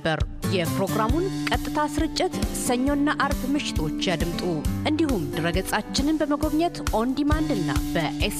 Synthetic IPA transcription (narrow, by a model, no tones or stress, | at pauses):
bəɾ | jɛpɾo̞ɡɾamunkʼət̪ʼːɨt̪ʰasɨɾɨt͡ʃʼːɪt̪səɲːo̞nːaʔaɾbmɨʃɪ̥t̪ʰo̞t͡ʃːjad̪ɨmt̪ʼuʔɨnd̪ihumd̪ɨɾəɡəsʼat͡ʃːɪnɨnbəməɡo̞βɲət̪ʔo̞nd̪imand̪ɨnːa̰bəʔes